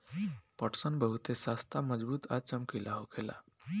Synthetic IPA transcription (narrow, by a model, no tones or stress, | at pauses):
pəʈsənbəɦut̪esast̪ʰaməd͡ʒbuːt̪at͡ʃəmkilʔaɦokʰela̰